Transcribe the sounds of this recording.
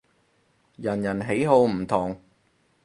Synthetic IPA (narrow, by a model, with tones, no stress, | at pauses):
jɐ˨˩njɐ˨˩nɦe˨˥jɦo˨˧wm̩˨˩t̪ʰʊ˨˩ŋ